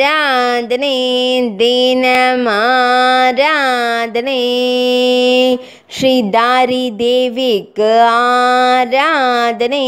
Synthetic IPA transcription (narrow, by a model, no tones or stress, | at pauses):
ɾad̪ned̪eːnɐma | ɾaːd̪ne | ʃɾiːd̪aːɾid̪eːʋikaːɾaːd̪ne